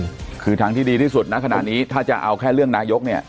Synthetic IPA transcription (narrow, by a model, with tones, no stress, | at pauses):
kʰɯː˧t̪ʰa˦˥ŋt̪ʰiː˥˩diː˧iː˥˩su˨˩t̪̚na˦˥kʰa˧na̰˨˩niː˦˥t̪ʰaː˥˩t͡ɕa˨˩ʔa˧wkʰɛː˥˩ɾɯ˥˩əŋnaː˦˥jo˦˥k̚ni˥˩ɐ